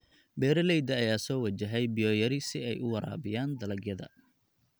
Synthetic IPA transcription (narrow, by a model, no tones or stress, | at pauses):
bɛːɾɐlɛjd̪ɐːjaːsɔːwɐt͡ʃɐɦɛjbɪjɔːjɐɾɪsɪɛjʔʊwɐɾa̰ːbɪjaːnd̪ɐlɐɡjɐðɐ̰